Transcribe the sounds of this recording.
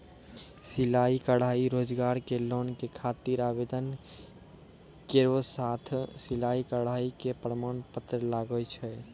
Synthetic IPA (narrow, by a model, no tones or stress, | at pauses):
silaikəɽ̤aiɾod͡ʒɡaɾkelonkekʰat̪iɾabed̪ən | keɾosat̪ʰsilaikəɽ̤aikepɾəmanpət̪ɾəlaɡət͡ʃʰɛ